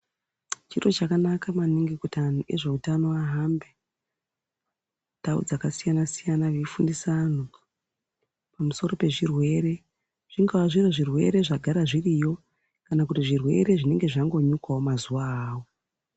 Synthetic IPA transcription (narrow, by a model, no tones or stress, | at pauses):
t͡ʃiro̞t͡ʃakanakamaniŋɡikutanuʔe̞ʐe̞utano̞aɦambe | taṵd͡zakasijanasijanaʋifundisan̤o | pamuso̞ɾo̞pe̞ʐirwe̞ɾe̞ | ʐ̥iŋɡawaʐiroʐirwe̞̰ɾe̞ʐaɡʱaɾaʐirijo̞ | kanakutiʐirwe̞̰ɾe̞ʐine̞ŋɡe̞ʐaŋɡo̞ɲukawo̞mazuwaːwo̞